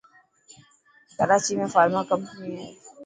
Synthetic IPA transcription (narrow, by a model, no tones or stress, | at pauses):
t̪əɾaːt͡ʃimẽfaːɾmakəmpnĩɦɛː